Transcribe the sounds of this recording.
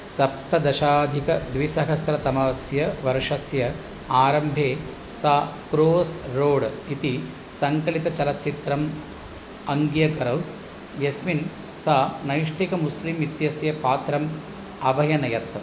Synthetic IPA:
sɐp̚t̪ɐd̪ɐʃaːd̪ʱikɐd̪ʋisɐɦɐsɾɐt̪ɐmɐʋsjɐʋɐɾʂɐsjɐ | aːɾɐmbʱeː | saːkɾoːsɾoːɽit̪i | sɐŋkɐɭit̪ɐt͡ʃɐlɐtːt͡ʃit̪ɾɐm | ɐŋɡjɐɡɐɾɐwt̪ | jɐsmin | sanɐjʂʈʰikɐmuslimit̪jɐsjɐpaːt̪ɾɐm | ɐbʱɐjɐnɐjɐt̪

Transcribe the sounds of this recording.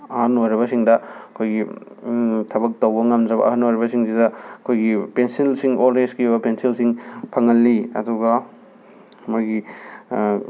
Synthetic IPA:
ɐhɐnojɾɐβɐsiŋdɐɐkʰojɡi | tʰɐbɐk̚tɐwbɐŋɐmd͡ʒɐbɐ̰ɐhɐnojɾibɐsiŋsidɐɐkʰojɡipensilsiŋoldeskiubɐpensilsiŋpʰɐŋɐlːiɐ̰duɡɐ | mojɡi

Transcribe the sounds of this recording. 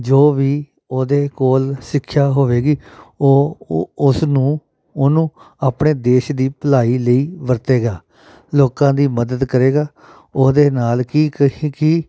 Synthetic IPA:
d͡ʒoːʋiː | oːd̪eːkoːlsɪkʰːʃaːɦoːʋeːɡiːoːʊsnũː | onũː | aːpɳeːd̪eːʃd̪iːpəlaːiːləiːʋəɾt̪eːɡaː | loːkãːd̪iːməd̪əd̪kəɾeːɡaː | oːd̪eːnaːlkiːkəikiː

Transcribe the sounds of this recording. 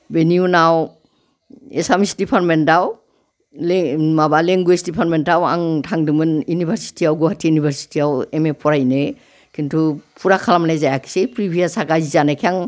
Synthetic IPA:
beniunaw | esamisdipʰaɾmentaw | lmabaleŋɡuesdipʰaɾmentawa̰ŋtʰaŋdɯmɯnjunibʱaɾsi̥tiawɡɔhatʰiunibʱaɾsi̥tʰiawemepʰɔɾajnɯ | kintʰupʰuɾakʰalamnajzajakʰi̥sepɾibʱijasaɡazizanakʰiaŋ

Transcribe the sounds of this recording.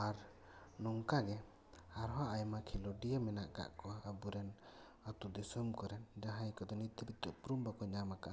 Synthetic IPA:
aɾ | nɔŋkaɡɛ | haɾɦaʔajmakʰilɔɖijəmɛnaʔka̰ʔkɔabuɾɛn | at̪ud̪isɔmkɔɾɛnd͡ʒaɦãjkɔd̪ɔnit̪ibit̪ːɔʔpuɾumbakɔɲamakaʔa

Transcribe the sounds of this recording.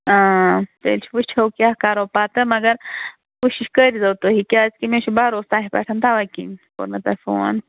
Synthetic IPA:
ãːt̪ḛlt͡ʃʰi̥puʃt͡ʃʰɐwkʲakaːɾopaːt̪əmɐɡɐɾ | kuʃiʃkəɾizɐwt̪oɦikʲaːt͡skimẽt͡ʃʰubaːɾost̪aːɦipɐ̰ʈʰɐnt̪aʋakḭko̰ɾnɐt̪ɐfo̰n

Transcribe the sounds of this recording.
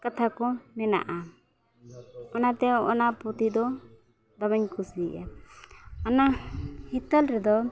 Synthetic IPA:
kat̪ʰakɔnɛna̰ʔa | ɔnat̪ɛɔ̰napɾɔt̪id̪ɔ | d̪ɔbɛɲkʰusliʔa | ɔnahit̪alɾɛd̪ɔ

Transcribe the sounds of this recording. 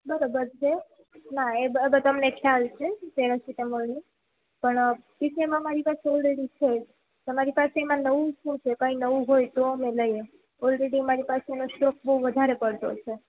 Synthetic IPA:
bəɾobəɾt͡ʃʰe | naebəɾabəɾt̪əmnekʰjalt͡ʃʰet̪eɾasit̪emolnĩ | pəɳpisʰemãəmaɾipaseɔlɾeɽit͡ʃʰe | t̪əmaɾipaseemãnəʋũʃũt͡ʃʰekə̃ĩnəʋũɦojt̪oəmeləje | ɔlɾeɽiəmaɾipaseenosʈɔk̚bəuʋəd̪ʱaɾepəɽt̪o̰t͡ʃʰe

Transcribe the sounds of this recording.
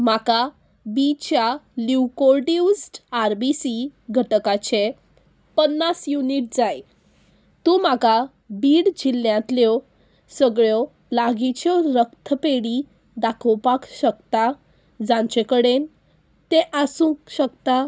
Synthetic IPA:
maka | bit͡ɕjaliwkoɾɖiusʈaɾbisiɡʱəʈəkat͡ɕe | pənːasjuniʈ̚d͡zaj | t̪ũmaka | biːɽd͡ʑilːjãt̪ljɔ | səɡɭjɔ | laɡit͡ɕɔɾəkt̪ʰəpeɽi | d̪akʰəwpakɕəkt̪a | d͡zãɲt͡ɕekəɽen | t̪eʔasũkɕəkt̪a

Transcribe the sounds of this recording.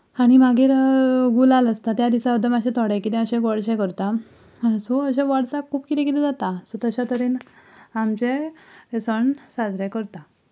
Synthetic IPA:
aɽ̃imaɡiːɾɡulaləst̪at̪jad̪isaəd̪ʱəmaɕɛt̪ʰɔɽɛ̃kit̪ɛ̃əɕɛ̃ɡɔɽɕɛ̃kəɾt̪a | soəɕẽʋɔɽt͡sakʰuːpkit̪ẽkit̪id͡zat̪asot̪əɕat̪əɾiːnamt͡ɕeesəɳsad͡zʱɾekəɾt̪a

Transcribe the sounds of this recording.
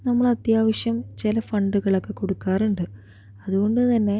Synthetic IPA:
nɐmːɐɭɐt̪jaːʋɐʂjɐmt͡ɕelɐfɐɳɖuɣɐɭokːe̞ko̞ɽukːaːruɳɖɨ | ɐðuɣo̞ɳɖɨt̪ɐnːe̞

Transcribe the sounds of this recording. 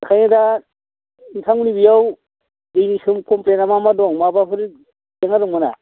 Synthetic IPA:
kʰajada | ntʰaŋunibijaw | dɯjnisɯmkɔmplenamamadɔŋmabapʰɯɾi | deŋaduŋmɯna̰

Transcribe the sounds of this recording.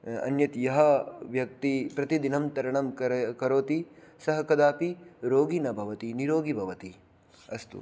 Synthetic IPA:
ɐ̰njɐt̪jɐɦɐʋjɐk̚t̪ipɾɐt̪id̪inɐmt̪ɐɾɐɳɐmkɐkɐɾoːt̪isɐɦɐkɐd̪aːpiɾoːɡinɐbʱɐʋɐt̪iniɾoːɡibʱɐʋɐt̪i | ɐst̪ṵ

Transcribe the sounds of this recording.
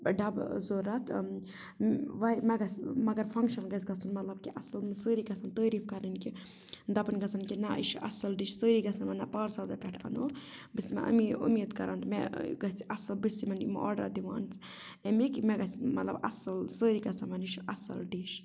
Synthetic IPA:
ɖɐbzoːɾɐt̪ʰ | ʋɐmɛɡɐsʲmɐɡɐɾfɐŋkʃɐnɡɐs̬ʲɡɐt͡sʰunmɐt̪lɐb̚kiʔɐsɨlmɨsəːɾiɡɐsɐnt̪əːɾifkɐɾɐnki | d̪ɐbɨnɡɐsʰɐnkinɐḭʃuʔɐ̰sɐlɖiʃsəːɾiɡɐsɐmɐnɐpaːɾsaːzɐpʲɛʈʰɐ̰nobɨsmɐ̰ʔɐ̰miṵmit̪kɐɾant̪mɛ̰ɡɐsiʔɐsɐlbɨsʲimɐnim̰ʔɔ̰ːɖɾa̰d̪iʋa̰ːnsʰ | emikimɛɡɐsmɐt̪lɐ̰bɐsɐlsəːɾiɡɐsɐmɐniʃuʔɐsɐ̰lɖiʃ

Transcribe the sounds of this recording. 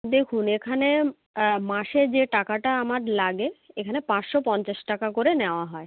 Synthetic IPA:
d̪ekʰunekʰane | maʃeɾd͡ʑeʈakaʈaamaɾlaɡeekʰanepãt͡ɕʃɔpɔnt͡ɕaʃʈakakoɾeneoaɦɔe

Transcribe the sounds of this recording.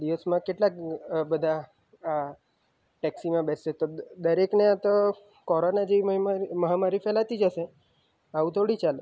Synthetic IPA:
d̪iʋəsmãkeʈlakbəd̪ʱa | a | ʈɛksimãbɛet̪od̪əɾekneat̪o | kɔɾonad͡ʒeʋimməɦamaɾifɛlat̪id͡ʒəʃe | aʋũt̪ʰoɽit͡ʃal

